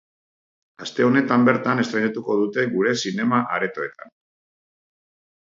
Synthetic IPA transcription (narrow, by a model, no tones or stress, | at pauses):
ast̪e̞o̞ne̞t̪ambe̞ɾt̪ane̞st̪ɾajɲat̪uko̞ð̞ut̪e̞ɣuɾe̞sine̞maʔa̰ɾe̞t̪o̞e̞t̪a̰n